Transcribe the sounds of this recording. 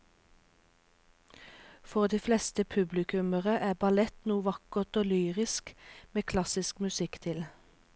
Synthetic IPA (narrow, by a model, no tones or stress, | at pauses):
fɔʁd̪iːflɛst̪əpʰʉblɪkʰʉməʁəʔæːbɑlɛt̪nuːʋɑkəʁt̪oːlyːʁɪskmeːkʰlɑsɪskmʉsɪkt̪ʰɪl